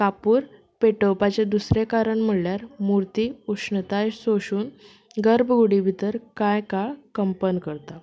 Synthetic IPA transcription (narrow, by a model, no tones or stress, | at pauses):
kapuːɾ | peʈəwpat͡ɕed̪usɾekaɾəɳm̤əɽljaɾmuɾt̪iːukʂɳət̪ajsoɕuːn | ɡəɾbʱɡuɽibʱit̪əɾkajkaɭkəmpənkəɾt̪a